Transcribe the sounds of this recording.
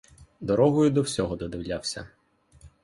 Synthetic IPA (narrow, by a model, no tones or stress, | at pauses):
d̪ɔɾɔɦɔjʊd̪ɔwsʲɔɦɔd̪ɔd̪ɪwlʲawsʲɐ̰